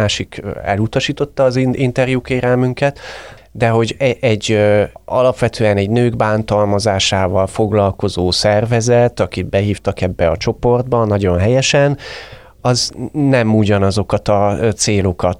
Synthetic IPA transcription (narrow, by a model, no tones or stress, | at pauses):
aːʃikɛ̰lut̪ɒʃiːt̪o̞t̪ːɒːziint̪ɛrjukeːɾɛlmyŋkɛt̪ | d̪ɛɦo̞ɟɛɟːɒ̰lɒpʋɛt̪ʰøːɛnɛɟnøːɡbaːnt̪ɒlmɒzaːʃaːvɒlfo̞ɡlɒlko̞zoːsɛrvɛzɛt̪ɒkit̪bɛɦiːft̪ɒkɛbːɛɒt͡ʃo̞po̞rd̪bɒnːɒɟo̞nɦɛjɛʃɛn | ɒznɛmuɟɒnɒzo̞kɒt̪ɒt̪seːlo̞kɒt̪